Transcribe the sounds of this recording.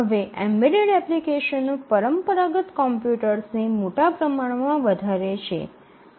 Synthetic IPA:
əʋeʔɛmbeɖeɽɛplikeʃənːopəɾəmpəɾaɡət̪kɔmpjuʈəɾsnemoʈapɾəmaɳmãʋəd̪ʱaɾet͡ʃʰḛ

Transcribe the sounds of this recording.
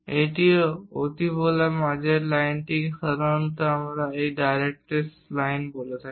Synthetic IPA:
eʈ̪iot̪ibolamad͡ʒʱelajnʈ̪iksəɾənt̪əamɾaekɖajɾek̚ʈes | lajnbolət̪a

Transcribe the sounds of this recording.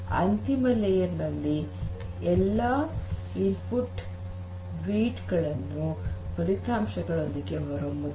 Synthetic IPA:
ɐ̰nt̪imɐlejɐɾnɐlːi | ɛlːɐ | inpuʈː | ɾiːʈɡɐɭɐnːupɐɾit̪aːmʃɐɡɐɭo̞nd̪iɡe̞ɦɔɾɐmu

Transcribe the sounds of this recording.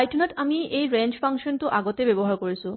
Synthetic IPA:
ajtʰunaʈamiejɾent͡ɕfʰaŋʃɔntuʔaɡot̪ebebɔɦaɾkoɹisʰu

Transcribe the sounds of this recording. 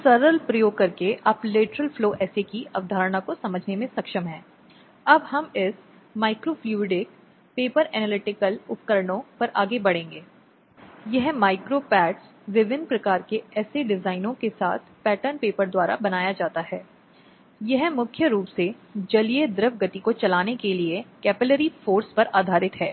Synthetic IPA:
sɐɾəlpɾɐjoːɡ̚kɐɾkeʔɐpleːʈɾəlfloːʔɛːsekiɐ̰ʋd̪ʱaːɾəɽakosɐməd͡ʒʱnemẽsɐkʃəmɦɛ̃ː | ɐbhɐmɪs | maːɪkɾoːfluːɪɖɪk̚ | peːpəɾɛnəːlɪʈɪkəlʊpkəɾəɳ̃õpɐɾʔa̰ːɡebɐɽ̤ẽːŋɡeː | jɐɦmaːɪkɾopɛːʈs | ʋɪʋɪnpɾɐkaːɾkeɛːseɖɪzaːɪnõkesa̰ːt̪ʰpɛːʈənpeːpəɾd̪waːɾa̰bɐnaːjad͡ʒaːt̪aɦɛː | jɐɦmʊkʰjəɾuːpsed͡ʒɐlied̪ɾɪʋɡɐt̪ikot͡ʃɐlaːnekeliekɛːpɪləɾifoːɾspɐɾʔaːd̪ʱaːɾɪt̪ɦɛː

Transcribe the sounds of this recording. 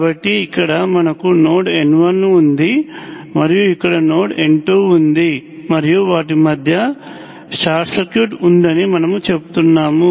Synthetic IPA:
kbɐʈːiːkːɐɽɐmɐnɐkuno̞ːʈenʋɐnːuːnd̪i | mɐɾijuikːɐɽɐno̞ːʈeɳʈoːund̪imɐɾijuʋaːʈ̬imɐd̪ʱjɐ | saːʈsekjuːʈund̪ɐnimɐnɐmut͡ʃe̞pu̥t̪unːaːmu

